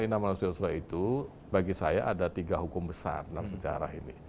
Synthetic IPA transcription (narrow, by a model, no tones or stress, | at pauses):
inamanusiausɾait̪u | baɡisajaʔadat̪iɡaɦukʊmbəsa̰rnamsəd͡ʒa̰ɾa̰hinḭ